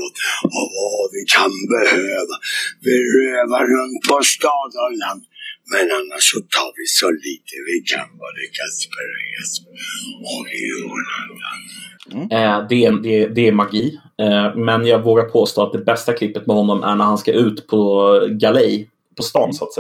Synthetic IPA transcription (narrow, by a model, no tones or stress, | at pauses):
ot̪ɔvavɪkʰanbɛhøøːvavɪɾøːvaɾɵnt̪pɔst̪ɑːd̪əlant̪mɛnanːaʂɔt̪ʰɑːɾvɪsɔliːt̪ʰəvɪkʰa̰nvɔlykʰaspɛɾeas | ɔkunaɡa̰n | d̪ɛd̪ɛd̪ɛæmaɡiː | mɛnjɑːɡvoːɡaɾpʰoːst̪oːat̪̚d̪ɛbɛst̪akʰlɪpːət̪mɛhɔnːɔmʔæ̰ɳæɾhanskaʔʉ̟ːt̪pʰɔɡalɛj | pʰɔst̪ɑːnsat̪sɛ